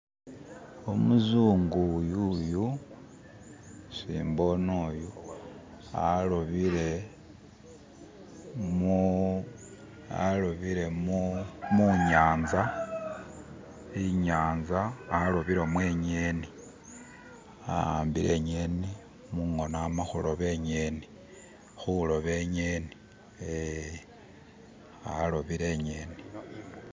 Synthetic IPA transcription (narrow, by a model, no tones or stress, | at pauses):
omuzuːŋɡujuju | sḭːmbo̞noːju | a̰loβiɾe | mu | a̰loβiɾe̞mumuɲaːnza | iɲaːnzaːlo̞βiɾomweːɲeni | a̰mbiɾe̞̰ɲe̞ni | muŋo̞namaxulo̞βe̞ɲeni | xulo̞βe̞ɲeni̥ | e | aloβiɾe̞ɲeːni